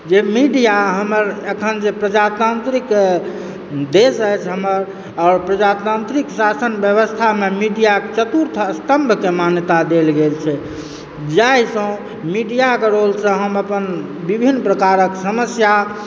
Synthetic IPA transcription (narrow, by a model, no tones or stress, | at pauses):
d͡ʒemiɖijaɦəməɾekʰənd͡ʒepɾəd͡ʒat̪ant̪ɾik | d̪esəjt͡ʃʰɦəməɾ | ɔɾpɾəd͡ʒat̪ant̪ɾiksasənbjəβəst̪ʰamemiɖijaket͡ʃət̪uɾt̪ʰəst̪əmbʱkemanjət̪ad̪elɡelt͡ʃʰɛ | d͡ʒaɦisə̃ | miɖijakeɾolsə̃ɦəməpən | bibʱinːpɾəkaɾəksəməsja